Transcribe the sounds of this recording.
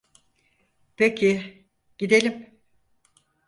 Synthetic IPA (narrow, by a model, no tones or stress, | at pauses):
pʰecʰi | ɟ̥id̪elʲim